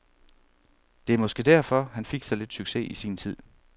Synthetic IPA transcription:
d̥e̝æɐmɒ̽sɡ̥ed̥æɐ̰fɒ̽hænfe̝ɡ̥sɑ̈ɪle̝d̥syɡ̥se̝ʔisiːnt͡sʰið̞̰ˠ

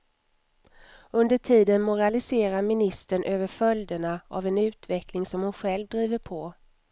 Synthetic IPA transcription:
ɵnd̪əʈʰiːd̪ənmʊɾalɪseːɾaɾmɪnɪst̪əɳʔøːvəɾfœld̪əɳaʔa̰vɛnʉ̟ːt̪vɛklɪŋsɔmhʊnɧɛlvd̪ɾiːvəɾpʰɔ

